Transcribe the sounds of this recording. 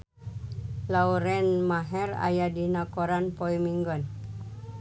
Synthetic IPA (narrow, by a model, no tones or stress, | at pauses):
lauɾɛnmaɦɛra̰jadinakɔɾanpɔimiŋɡɔn